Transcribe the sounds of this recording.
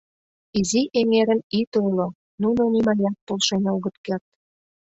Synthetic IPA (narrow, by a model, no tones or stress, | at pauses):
iziʔeŋeɾəmit̪olo | nunonimɑjɑt̪̚polʃenʲoɣə̆t̪kert̪̚